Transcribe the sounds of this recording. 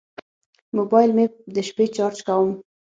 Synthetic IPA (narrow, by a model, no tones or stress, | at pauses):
mobɑjlmed̪əʃpet͡ʃɑɾt͡ʃkawəm